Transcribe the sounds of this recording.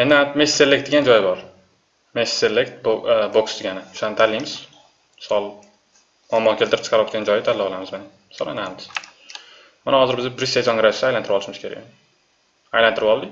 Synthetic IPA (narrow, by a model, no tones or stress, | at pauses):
end̪ɪat̪mesːe̞lːek̚t̪̚eɡʲand͡ʒɒjbɒɾ | messelekt̪̚bboksd̪eɡʲanɪʊ̥ʃanɪt̪ʰalːijmɪz̥ | mɪsɒlˠ | ɒmːɒkʲelʲt̪ɪɾɪp̚t͡ʃʰqʰɑɾwɒt̪̚kʲand͡ʒɒjɪt̪ʰalːabɒlˠamɪzmena | mɪsɒ̰lˠa̰nahamɪ̥s | manahɒzɪɾbɪzabɾɪsezonɡɪɾasd̪ajlanɪɾɪpɒlˠɪʃmɪskʲʰe̞ɾa̰ɡ | ajlant̪ʰɪɾɪpɒlˠd̪ɪ